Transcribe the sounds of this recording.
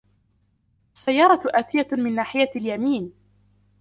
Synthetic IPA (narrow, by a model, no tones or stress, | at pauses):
ʔasːajːɑːɾˤɑʔaːt̪ɪjamɪnːaːħɪjaljamiːn